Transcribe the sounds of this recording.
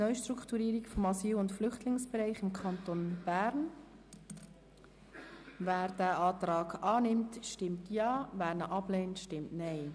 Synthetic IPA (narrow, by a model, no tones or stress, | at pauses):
nœʏʃtɾukχtuɾiːɾikfɔmɑsiːlʊntflʏχtlɪŋsb̥ɛɾaɪχɪmkʰɑntonb̥æːɾn | væːɾdæːʔɑːtɾɑːɡɑːnɪmtʃtɪmtjɑːvæːɾnəʔɑbleːntʃtɪmtnɛɪ